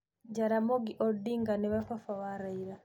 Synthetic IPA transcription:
ɟaɾamɔɡiʔɔdːiŋɡaniβafafawaɾaiɾa

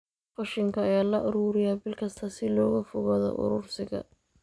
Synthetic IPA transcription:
fɐʃɪŋkʰɐːjaːlɐʔʊɾuːɾɪjabɪlkʰɐst̪ʰɐsɪlɔːɣɐfʊɣɐːðɔ̰ʔʊ̰ɾʊrsɪɣɐ̰

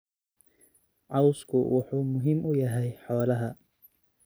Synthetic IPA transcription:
ʕɑwskʰʊwʔɑħuːmʊɦɪmʔʊjɐɦɛjħɔːlɐɦɐ

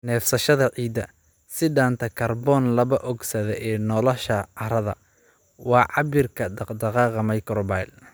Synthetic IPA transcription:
nɛːfsɐʃɐðɐʕiːd̪ɐ | sɪɖaːnt̪ʰɐkʰɐrbɔːnlɐβɐʔɔɡsɐðɛʔɛːnɔlɔʃɐɐɾɐðɐ̰ | wɑːʕɑbɪrkʰɐd̪d̪ɐqɑːqɐmɐjkɾbajl

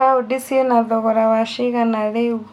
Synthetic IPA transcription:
audisiɛnaðɔɣɔɾawaʃiɣanaɺeu

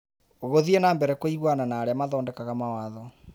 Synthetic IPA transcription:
oɣoðienaːmbɛɾɛkoiɣwananaːɾeamaðɔːndɛkaɣamawaːðɔ

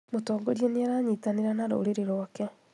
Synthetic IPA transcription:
motɔɡɔɾieneaɾaːɲitaneɾanaɾo̰ːɾeɾeɾoakɛ

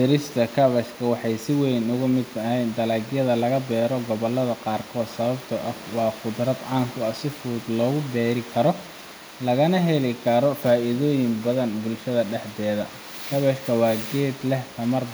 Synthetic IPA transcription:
ɪɾɪst̪ʰɐkʰɐβɐʃkʰɐwɑħɑjsɪwɛjnʊɣʊmɪd̪ɐhɛjnd̪ɐlɐːɡjɐðɐlɐɣɐbɛːɾɔɡɔβɔlːɐðɐqɑːrkʰɔːd̪sɐβɐbt̪ʰʊʔɐwɑːqʊd̪rɐd̪ʕɑːŋkʰʊɐsɪfuːd̪lɔːɣʊbɛːɾɪkʰɐɾɔ | lɐɣɐnɐɦɛlɪkʰɐɾɔfaːʔɪðɔːjɪmbɐðɐnbʊlʃɐðɐɖɛħd̪ɛːðɐ | kʰɐβɐʃkʰɐwɑːɡɛːd̪lɛht̪ʰɐmɐr

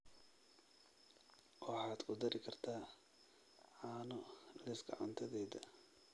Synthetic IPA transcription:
wɑħɑːd̪kʰʊd̪ɐɾʔɪkʰɐrt̪ʰaː | ʕɑːnɔlɪsɡɐ̰ʕɑ̰nt̪ʰɐðɛːðɐ

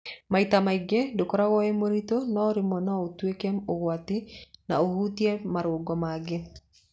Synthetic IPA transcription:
mait̪amaɪɡedokɔɾawɔemoɾit̪onɔɾɪmɔnɔot̪wekemoɣwat̪ina̰ohut̪jemaɾwoɡɔmaɡɪ

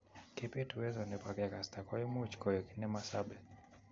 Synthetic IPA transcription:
kɛpetuwɛzɔnɛpakɛkastakɔjɔmut͡ʃkɔjɔkinɛmasaɓɛ

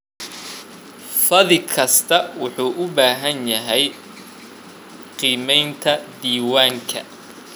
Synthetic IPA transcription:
fɐðɪkʰɐst̪ʰɐwʊħuːʔʊbaːɦɐnjɐɦɛj | qiːmɛjnt̪ʰɐd̪iːwaːŋkʰɐ̰

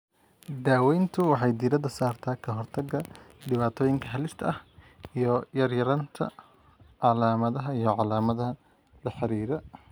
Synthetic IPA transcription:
d̪aːwɛjnt̪ʰʊwɑħɑjd̪iːɾɐðɐsaːrt̪ʰaːkʰɐɦɔrt̪ʰɐɡɐɖɪβaːt̪ʰɔːjɪŋkʰɐɦɐlɪst̪ʰɐʔɐh | ijɔjɐrjɐɾɐnt̪ʰɐ̰ | ʕɑlaːmɐðɐɦɐijɞʕɑlaːmɐðɐɦɐ | lɐħɑɾiːɾɐ

